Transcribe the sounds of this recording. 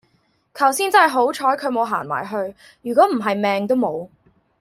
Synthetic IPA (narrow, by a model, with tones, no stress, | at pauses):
kʰɐ˨˩wsiː˥nt͡sɐ˥ɐ˨˩jɦo˨˥wt͡ʃʰɔː˨˥jkʰɵ˨˧ɥmo˨˧wɦa̰ː˨˩nma̰ː˨˩jɦɵ˧ɥ | jyː˨˩k̬ɔː˨˥m̩˨˩ɦɐ˨jmɛː˨˧ŋt̪̬o˥wmo˨˧w